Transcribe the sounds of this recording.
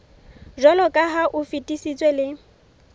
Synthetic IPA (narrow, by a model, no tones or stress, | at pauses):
ʒɔlɔkʼaɦaʔʊfitʼisit͡sʼwelɪ